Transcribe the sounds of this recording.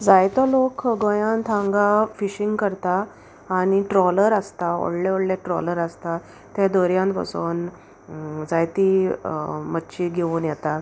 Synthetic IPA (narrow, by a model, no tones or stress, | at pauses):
d͡zajt̪ɔlokɡõjãnt̪ʰãŋɡafiɕiŋɡkəɾt̪aː | ɽ̃iʈɾɔləɾəst̪ao̰ɽleoɽleʈɾɔ̰ləɾəst̪a | t̪ẽd̪oɾjãnt̪pə̰so̰ːn | d͡zajt̪i | mətːɕiɡʱeʋuːnjɛt̪a